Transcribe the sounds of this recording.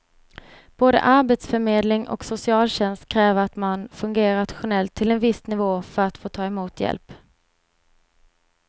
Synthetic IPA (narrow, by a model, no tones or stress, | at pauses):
b̥oːd̪ə̰ʔaɾbet̪sfœɾmeːd̪lɪŋʔɔ̰ksʊsɪɑːlɕɛnst̪kʰɾɛːvəɾat̪manfɵŋɡeːɾat̪ɧʊnɛlt̪ʰːɪlɛnvɪsnɪvoːfœɾat̪foːt̪ʰɑːɛmuːt̪jɛ̰lp